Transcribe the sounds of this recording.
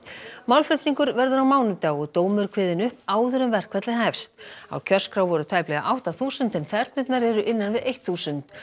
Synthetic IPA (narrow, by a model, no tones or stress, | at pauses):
mawlflʏht̪niŋkʏɾvɛɾðʏɾawmaːwnʏt̪aːɣʏt̪oːwmʏɾkʰvɪːðɪnʏhpaːwðʏɾʏmvɛr̥kʰvɛt̪lɪɦɛfst̪a̰wcʰœr̥skɾawvɔɾʏt̪ʰaːjplɛɣa̰ʔawht̪aθuːsʏnt̪ɛnθɛɾt̪nɪt̪naɾɛɾʏʔɪnːanvɪðʔejht̪θuːsʏnt̪